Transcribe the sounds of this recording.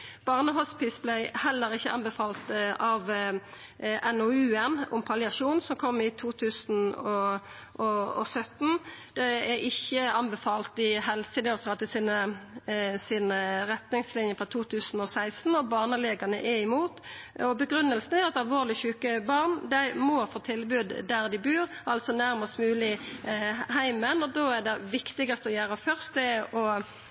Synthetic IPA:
b̥ɑʁnəɦɔspɪsblæɪhɛlːəɾɪçːəʔɑnbəfɑːlt̪ɑʋ | ɛnɔʉːɛnʊ̰mpʰɑlɪɑʂuːnsɔmkʰɔmːɪt̪ʰuːt̪ʰʉːsn̩ɔ | ʔɔɔ̰sœt̪nd̪̥ɛɛʔɪçːəɑnbɛfɑːlt̪ɪhɛlsɪd̪ɛɔt̪ʰɑt̪əsɪnə | siːnəʁɛt̪nɪŋslɪnjəfʁɑt̪ʰuːt̪ʰʉːsn̩ɔsæɪst̪n̩ɔbɑːʁnəleːɡɑnəʔɛɪmuːt̪ɔbəɡɾʉnːəlsn̩æɾɑtt̪ɑlʋoːʁlɪçʉːkəbɑʁnd̪æɪmɔfoːt̪ʰɪlbʉːd̪d̪æʁd̪ɪbʉːɾʔɑlt̪sɔnæʁmɑst̪mʉːlɪ | ɦæɪmənɔd̪oːæd̪ɛʋɪkt̪ɪɡɑst̪əɔjæːɾəfœʁst̪̚d̪ɛʔɔ

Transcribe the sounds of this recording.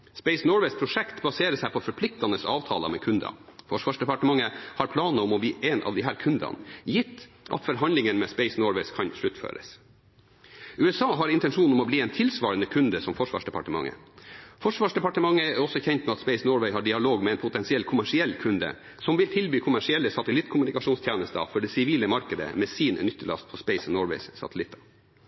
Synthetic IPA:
speɪsnoːɾʋɛɪspʰɾʊʂɛkt̪bɑseːɾəsæɪpʰɔfɔɾpʰlɪk̚t̪ɑnəsɑ̰ːʋt̪ʰɑ̰ːlə̰mɛ̰kʰʉnd̪ɑ̰fɔʂʋɑːʂɖ̪ɛpɑʈəmɑŋːəhɑɾpʰlɑːnəɔmɔbiːʔenʔɑ̰ʋd̪ɪɦæːɾkʰʉnd̪ɑ̰njɪt̪ː | ʔɑ̰t̪fɔɾɦɑnlɪŋənmɛspeɪsnoːɾʋɛskʰɑnʂɭʉt̪fø̰ːɾə̰s | ʉːɛsɑːɦɑɾɪnt̪ɛnʂuːnnɔmɔbliːɛːnt̪ʰɪlsʋɑːɾənəkʰʉnd̪əsɔmfɔʂʋɑ̰ːʂɖɛpɑ̰ʈəmɑ̰ŋːə̰ | fɔʂʋɑːʂdɛpɑʈəmɑŋːəæɾɔsːɔçɛnt̪mɛɑt̪speɪsnɔːɹʋɛɪhɑːɖɪɑloːɡmɛɛɪnpʰʊt̪ɛnsɪɛlkʰʊmæʂɪɛlːkʰʉnd̪ə̰ | sɔmʋɪlt̪ʰɪlbyːkʰʊmæʂɪɛlːəsɑt̪əlɪt̪ːkʰʊmʉnɪkɑʂuːnst̪ʰjæːnəst̪ə̰fɔɖɛsɪʋiːləmɑɾkəd̪ə̰mɛːsiːnnʏt̪ːəɭɑ̰st̪̚pʰɔspeɪsnɔːɹʋɛ̰ɪssɑ̰t̪əlɪt̪ʰːɑ̥

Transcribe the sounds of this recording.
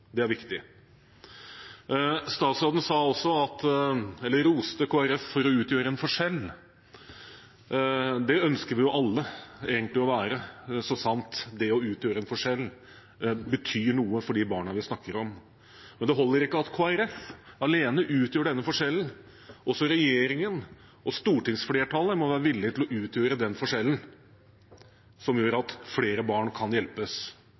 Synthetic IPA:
d̪ɛæɾʋɪkt̪ɪ | st̪ɑːt̪sɾɑːd̪ən̩sɑːɔsːɔɑt̪ɛlːəɾuːsə̥t̪əkʰoːæɾɛfːɔɾɔʉːt̪jøːɾəɛnfɔʂɛlː | d̪ɛœnskəɾʋɪjʊʔɑlːəeːɡənt̪lɪɔʋæːɾəsɔsɑnt̪d̪ɛɔʉːt̪jøːɾəɛnfɔʂɛlː | bət̪ʰyːɳuːəfɔɖiːbɑːɳɑʋɪsnɑkːəɾɔm | mɛnd̪ɛɦɔlːəɾɪkːəɑt̪kʰoːæɾɛfɑleːnəʔʉːt̪jøːɖɛnːəfɔʂɛlːn̩ | ɔsɔɾɛjeːɾɪŋən | ʔɔst̪uːʈɪŋsfleːʈʰɑləmɔʋæːɾəʋɪlːɪt̪ɪlɔʔʉːt̪jøːɾəd̪ɛnfɔʂɛlːən̩ | sɔmjøːɾɑt̪fleːɾəbɑːɳkʰɑnjɛlpəs

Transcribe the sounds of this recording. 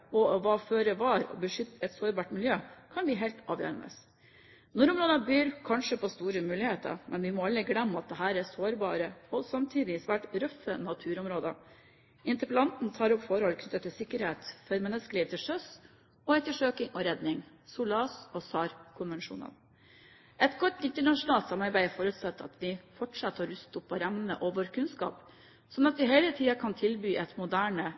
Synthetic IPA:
ɔʋɑːføːɾəʋɑːɾɔ̰bəʂʏt̪ːəɛt̪soːɾbɑːʈmɪljøːkʰɑnʋɪɦɛlt̪ɑːʋjø̰ːɾə̰nə̰s | nɔɾʊmɾoːd̪əbyːɾkʰɑnʂəpʰɔst̪uːɾəmʉːlɪheːt̪ə̰ɾmɛnʋɪmɔɑlːəɡlɛmːəɑt̪̚d̪ɛɦæːɾæsoːɾbɑ̰ːɾəɔsɑmt̪ʰiːd̪ɪsʋæːʈɾœfənɑt̪ʰʉːɾɔmɾoːd̪ə̰ | ʔɪnt̪əɾpəlɑnt̪n̩t̪ʰɑːɾɔpːfɔɾəhɔlkʰnʏt̪ːət̪ʰːɪlsɪkːəɾheːt̪fɔɾmɛnːəskəliːʋət̪ʰɪlʂœs | ɔɛt̪ːəʂøːkɪŋɔɾɛd̪nɪŋ | suːlɑːsɔsɑːɾkʰʊnʋɛnʂṵːnə̰n | ɛt̪ɡɔt̪ːɪnt̪əɳɑʂʊnɑːlt̪sɑmɑɾbæɪfɔɾʉt̪sɑt̪ːɑ̰t̪ʋ̪ɪfɔʈʂɑt̪hɑːɾʉst̪ʊpːɔɾɛmnənə̰ʔɔʋɔɾkʰʉnskɑ̰ːp | sɔnɑt̪ʋɪɦeɪlət̪ʰiːɑkʰɑnt̪ʰɪlbyːʔɛt̪mʊd̪æːɳə

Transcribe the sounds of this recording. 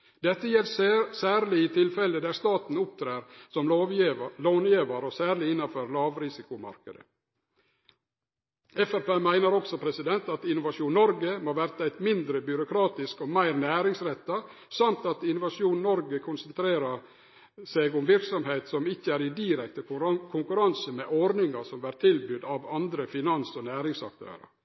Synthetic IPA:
d̪̥ɛt̪ːəjɛlsæːɾlɪɪt̪ʰɪlfɛləd̪æɾst̪ɑːt̪n̩ʊp̚t̪ʰɾeːɾsɔm | loːnjeːʋəɾɔsæːɾlɪɪnːɑføːɾlɑːʋɾɪsɪkʊmɑ̰ɾkəd̪ə̰ | ɛfæɾpeːmæɪnəɾɔɡsɔpʰɾɛsɪd̪ɛnt̪ɑt̪ɪnʊʋɑʂuːnnɔɾɡəmoːʋæɾt̪ɑæɪt̪mɪnd̪ɾəbjʏɾʊkʰɾɑːt̪ɪskɔmæɪɾnæːɾɪŋsɾɛt̪ːɑsɑmt̪ɑt̪ɪnʊʋɑʂuːnnɔɾɡəkʰʊnsənt̪ʰɾeːɾɑ | seɡʊmʋɪɾksɔmheɪt̪sɔmɪçːəæːɾɪd̪iːɾɛk̚t̪əkʰʊŋkʉɾɑnsəmɛʔɔɾnɪŋɑsɔmʋæːɾt̪ʰɪlbʏd̪ɑʋɑnd̪ɾəfɪnɑnsɔnæːɾɪŋsɑ̰k̚t̪ʰø̰ːɾə̰ɾ

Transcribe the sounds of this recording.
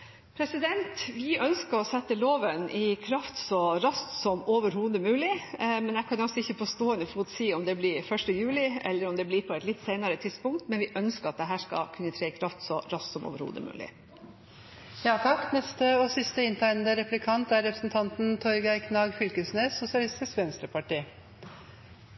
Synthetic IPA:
pʰɾɛsɪd̪ɛnt̪ʋɪʔœnskəɾɔsɛt̪ːəloːʋənʔɪkʰɾɑft̪sɔɾɑst̪sɔmoːʋəɾhuːd̪əmʉːlɪmɛnɛkʰɑnɑsɔɪçːəpʰɔst̪oːɛnəfuːt̪siːɔmd̪ɛblɪɾfœʂʈəjʉːlɪɛ̰lːəɾɔmd̪ɛblɪɾpʰɔɛt̪lɪt̪ːseɪnɑɾət̪ʰɪspʊŋkt̪mɛnʋɪʔœnskəɾɑt̪̚d̪ɛɦæːʂkɑ̰kʰʉnːət̪ʰɾeːɪkʰɾɑft̪sɔɾɑst̪sɔmʔo̰ːʋəɾhṵːd̪ə̰mʉ̰ːlɪ̰ | jɑːt̪ʰɑkːnɛst̪əɔsɪst̪əɪnt̪ʰæɪnn̩d̪əɾɛplɪkʰɑnt̪æɾɾɛpɾəsnt̪ʰɑnt̪n̩t̪ʰɔɾɡæɪkʰnɑːɡfʏlkəsneːsʊsɪɑlɪst̪ɪsʋɛnst̪ɾəpʰɑʈiː

